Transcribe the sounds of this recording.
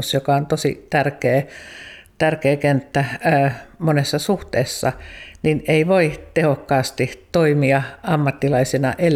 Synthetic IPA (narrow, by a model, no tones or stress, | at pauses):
sjokɑont̪osḭt̪ærkeː | t̪ærkeːkent̪ːæ | monesːɑsuht̪eːsːɑ̰nineiʋoit̪ehokːɑːst̪it̪oimiɑɑmːɑt̪ːilɑisinɑ̰ʔel